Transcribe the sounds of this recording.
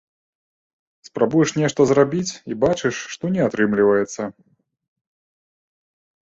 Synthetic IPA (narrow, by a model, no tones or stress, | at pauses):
spɾabujɛʂnʲɛʂt̪ɐzrabʲit͡sʲibat͡ʃɨʂːt̪ɔnʲɛat̪ɾɨmlʲivɐjɛt̪sːɐ